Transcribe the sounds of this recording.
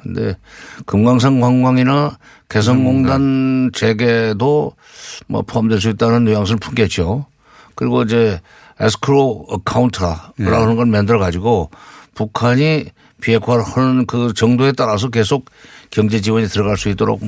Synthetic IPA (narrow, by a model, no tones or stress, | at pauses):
kɯnde̞̰kɯmɡaŋs̬ʰaŋkaŋɡwaŋina | ke̞sʰʌŋmoŋdant͡ɕe̞ɡe̞do | mʌ̰pʰoɦamdwe̞ɭs̬uit̚t͈anɯnːojaŋs̬ʰɯnɯɭpʰunɡet̚t͡ɕ͈o | kɯɾiɡoid͡ʑe̞ | es̬ʰɯ̥kʰɯɾoʌkʰauntʰɾa̰ɾanɯnɡʌɭmendɯɾʌɡad͡ʑiɡopukʰaɲi | pie̞kʰwaɾhanɯnkɯt͡ɕʌŋdoe̞t͈aɾas̬ʰʌk̬e̞sʰok̚k͈ːjʌŋd͡ʑe̞d͡ʑiwʌɲitɯɾʌɣaɭs͈uit͈oɾo̰k